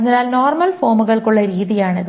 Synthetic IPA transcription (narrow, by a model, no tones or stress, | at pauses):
ɐðɪnaːlnoːrmɐlfoːmuɣɐɭkuɭːɐɾiːðijaːɳɐðɨ